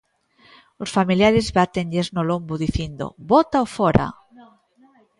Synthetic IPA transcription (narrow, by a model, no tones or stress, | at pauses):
osfamiljaɾezβat̪eŋʎeznolombuðiθjind̪o̰bot̪aofoɾa̰